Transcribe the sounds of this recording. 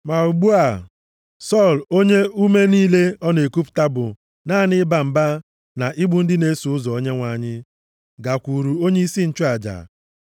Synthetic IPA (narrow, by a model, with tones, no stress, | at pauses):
ma˨u˨ɡ͡bu˦a˨ | sɔ˦˨lo˦ɲe˦u˦me˦niː˦le˦ɔ˦ne˨ku˦pta˦bʊ˨ | naː˦˨nɪ˦ba˨m̩˨ba˦ | na˨ʔi˦ɡ͡bʊ˨n̩˦dɪ˦ne˦su˨ʊ˦zɔ˨o˦ɲe˦ŋʷa˨ɲɪ˦ | ɡa˨kʷu˨ɾu˨o˦ɲe˦i˦si˦n̩˨t͡ʃʊ˦a˨d͡ʒa̰˨